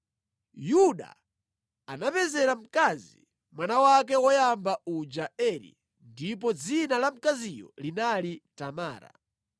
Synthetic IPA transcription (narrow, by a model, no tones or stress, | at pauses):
juɗa̰ | anapɛzɛɾam̩kazi | mwanawak̬ɛwɔjambaud͡ʒaɛɾḭ | ndip̬ɔd͡zinalam̩kazijɔ̰linalitamaːɾa̰